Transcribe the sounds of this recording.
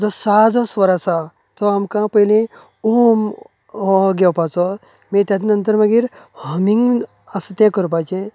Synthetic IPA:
d͡zɔsad͡zɔsʋəɾasa | t̪ɔamkãpəɦilĩ | um | ɔɡɛwpat͡sɔ | mĩt̪ʲjad̪inənt̪əɾməɡiːɾhəmiŋɡ | ast̪ẽkəɾpat͡ʃẽ

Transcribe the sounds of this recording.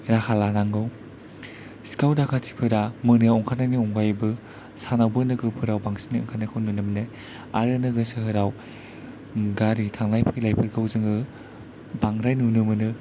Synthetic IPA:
ɾahʰalanaŋɡɯw | si̥kawdakʰatʰi̥pʰɯɾamɯnɯjaɔŋkʰanajnɯɔŋɡajbɯ | sanawbɯnɯɡɯpʰɯɾawbaŋsi̥nɯɯŋkʰanɯkʰɯwnunɯmne | a̰ɾɯnɯɡɯsɯhɯɾaw | ɡaɾitʰaŋlajpʰɯilajpʰɯɾɡʰɯwzɯŋɯ | baŋɾajnunɯmɯnɯ

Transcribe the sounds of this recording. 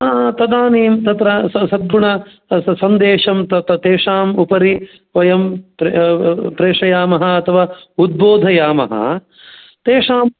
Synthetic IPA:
t̪ɐd̪aːniːmt̪ɐt̪ɾɐsɐsɐd̪̚ɡuɳɐ | sɐnd̪eːʂɐmt̪ɐt̪ɐt̪eːʂaːmupɐɾi | ʋɐjɐmp | pɾeːʂɐjaːmɐɦɐɐt̪ʰɐʋaːud̪̚boːd̪ʱɐjaːmɐ̰ɦɐ̰ | t̪eːʂaːm

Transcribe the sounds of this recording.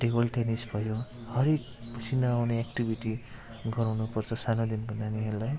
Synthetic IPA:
ʈebʌlʈenisbʱʌjohʌɾek̚ | pʌt͡sʰinʌawneekʈibʱiʈi | ɡʌɾawnupʌrt͡sʰʌsanod̪inkʌnaniɦelaj

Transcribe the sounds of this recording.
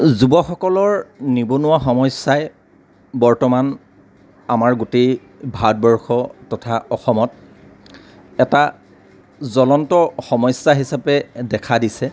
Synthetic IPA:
zubɔxɔkɔlɔɹnibonʊwaxɔmɔjsaj | bɔɹtɔman | amaɹɡute | bʱad̚bɔɹxɔtɔtʰaɔxɔmɔt̚ | ɛta | zɔlɔntɔxɔmɔjsːaɦisapɛdɛkʰadisɛ

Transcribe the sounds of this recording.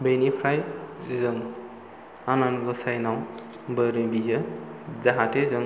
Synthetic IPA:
bejnipʰɾajzɯŋ | ananɡɔsajnaw | bəɾɯbizɯzaɦatezɯŋ

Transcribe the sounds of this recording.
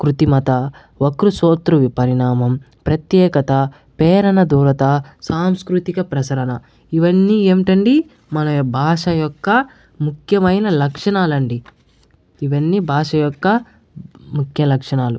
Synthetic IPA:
kɾut̪imɐt̪ɐ | ʋokɾusoːt̪ɾuʋipɐɾiɳaːmɐm | pɾɐt̪jɛːkɐt̪ɐ | pɛːɾɐnɐd̪uːɾɐt̪ɐsaːmskɾut̪ikɐpɾɐsɐɾɐnɐ | iʋɐnːieːmiʈɐɳɖi | mɐnɐbʱaːʂɐjɔkːɐ | mukʰjɐmɐjnɐlɐkʂɐɳaːlɐɳɖi | iʋɐnːibʱaːʂɐjɔkːɐ | mukʰjɐlɐkʂɐɳaːlu

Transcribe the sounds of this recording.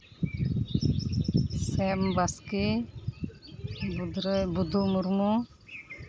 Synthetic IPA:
sɛmbaske | bud̪ɾbud̪ʱumuɾmu

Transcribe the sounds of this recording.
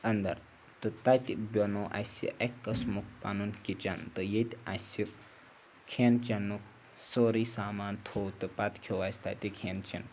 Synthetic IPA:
ɐnd̪ɐ̰ɾ | t̪ɨt̪at̪ibʲonoʔa̰sḭʔekːɐsmuk̚pa̰nunkit͡ʃant̪ɨjet̪ʲasi | kʰent͡ʃɐnːuk | soɾisaːmaːnt̪ʰowt̪ɨpat̪kʰeʋasʲt̪a̰t̪ʲikʰent͡ʃɐn

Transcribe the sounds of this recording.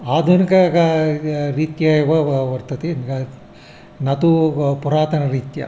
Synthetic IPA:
aːd̪unɐkɐɡɐɾiːt̪jɐjiʋɐʋɐɾt̪ɐt̪inkɐ | nɐt̪upuɾaːt̪ɐnɐɾiːt̪jɐ̰

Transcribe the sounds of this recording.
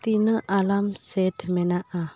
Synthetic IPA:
t̪inəʔalamsɛdmenaʔa

